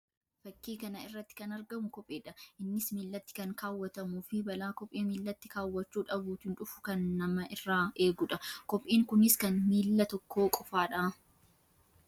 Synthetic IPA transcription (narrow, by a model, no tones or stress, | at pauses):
fɐkːiːkɐnɐɪrːɐt̪ːɪ̥kɐnɐɾɡɐmʊkɔpʼːeːᶑɐʔɪnːɪsmiːlːɐt̪ːɪ̥kɐŋkaːwːɐt̪ɐmuːfɪbɐlaːkɔpʼːeːmiːlːɐt̪ːɪkaːwːɐt͡ʃːuːᶑɐbuːt̪ɪnᶑʊfʊ̥kɐnːɐmɐʔɪrːaːʔe̞ːɡʊᶑɐkɔpʼʔiːŋkʊnɪskɐnmiːlːɐt̪ɔkːo̞ːkʼɔfaːᶑaː